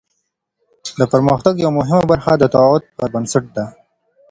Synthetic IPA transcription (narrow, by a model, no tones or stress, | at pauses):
d̪əpəɾməxt̪aɡjawamʊɦɪmabaɾxad̪ət̪ɑʊd̪̚pəɾbənsaʈ̚d̪a